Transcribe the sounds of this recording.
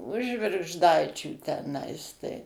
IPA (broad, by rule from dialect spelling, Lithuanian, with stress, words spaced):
ʊʃ ʒʲʋʲɪrɡʒˈdɐɪt͡ʃʲuː tʲɛˈnɐɪs tɐɪ